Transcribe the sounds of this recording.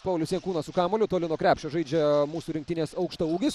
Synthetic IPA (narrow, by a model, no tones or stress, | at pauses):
pɑʊlʲʊsʲiɛŋkuːnɐsʊkɑːmoːlʲʊt̪oːlʲɪnuɔkɾʲæːpʲʃʲt͡ʃʲoʒɐɪd͡ʒʲɛmuːsuːɾʲɪŋkt̪ʲɪnʲeːsɐʊkʃt̪ɐuːɡʲɪs